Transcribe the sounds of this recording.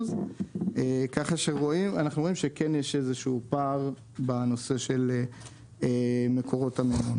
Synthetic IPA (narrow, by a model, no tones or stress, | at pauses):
z | ekaχaʃeːoimanaχnuimʃekenjeʃe̞zeʃuupaʁ | bano̞se̞ʃe̞le | emekʰo̞ʁotamemun